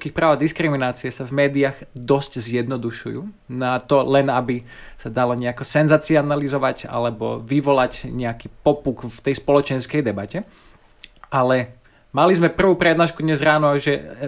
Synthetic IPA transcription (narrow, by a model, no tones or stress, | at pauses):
uskiːxpɾaːʊad̪iskɾiminaːt͡siɛsavmɛːd̪iaɣd̪ɔsczjɛd̪nɔd̪uʃujuːnat̪ɔlɛnabi | sad̪alɔɲɛakɔsɛnzaːt͡sianalizɔʋaca̰lɛbɔ̰ʋiʋɔlacɲɛakiːpɔpukft̪ɛjspɔlɔt͡ʃɛnskɛjd̪ɛbacɛ | alɛ | malizmɛpr̩ʋuːpɾɛd̪naːʃkud̪ɲɛzɾaːnɔʒɛ